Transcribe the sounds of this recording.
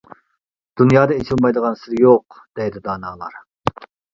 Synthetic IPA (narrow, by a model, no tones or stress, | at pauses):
d̪̥unjɑːd̪ɛet͡ʃʰilˠmɑjd̪əʁɑnsɪɾjoq | d̪̥ɛjd̪ɪd̪ɑːnɑːlˠɑ̰ɾ